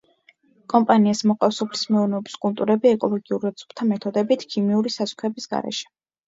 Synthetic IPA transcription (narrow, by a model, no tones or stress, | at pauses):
kʼɔmpʼaniasmɔqʼafsɔpʰli̥smɛuvnɛɔbi̥skʼulˠt̪ʼuɾɛbiɛkʼɔlˠɔɡiuɾɛd̪sʼu̥pʰt̪ʰamɛt̪ʰɔd̪ɛbit̪ʰkʰimiuɾisasu̥χʰɛbisɡa̰ɾɛ̰ʃɛ̥